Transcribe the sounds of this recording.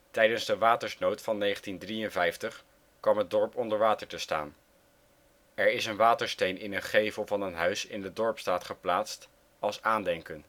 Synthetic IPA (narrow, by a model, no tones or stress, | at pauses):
tɛjdənzdəʋaːtəɹsnowtfɑnːejχəntindrijənvɛjftəχ | kʋɑmɦəd̚dɔɹpɔndəɹʋaːtəɹtəsta̰ːn | ɛɹɪsənʋaːtəɹstejnʔɪnənχejvəlˠvɑnənɦœɥsɪ̰ndədɔɹpstaːtχəplaːtst | ɑlˠsaːndɛŋkən